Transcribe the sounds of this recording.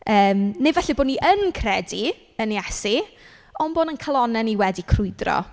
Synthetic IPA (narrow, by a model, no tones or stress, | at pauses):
əːmnevɛɬiboːdniʔənkʰrɛdi | əniasi | ɔnboːdənkʰalˠɔnɛniwɛdikʰrʊɨdrɔ̰